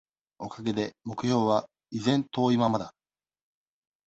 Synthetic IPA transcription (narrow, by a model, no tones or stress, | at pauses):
o̞kaɡe̞d̪e̞mo̞kɯ̟ço̞ːβa | izẽ̞nt̪o̞ːimamad̪a